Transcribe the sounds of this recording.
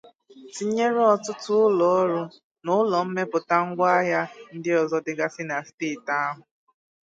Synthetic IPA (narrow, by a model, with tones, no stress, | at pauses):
ti˦ɲe˦ɾe˦ɔ˨tʊ˦tʊ˦ʊ˦lɔ˨˦ɾu˦ | nʊ˦lɔ˨m̩˦me˦pʊ˨ta˦ŋ̩˦ɡʷa˦ja˦n̩˦dɪ˦ɔ˨zɔ˦dɪ˦ɡa˦sɪ˦na˨steː˦˨ta˦a˦ɦʊ˨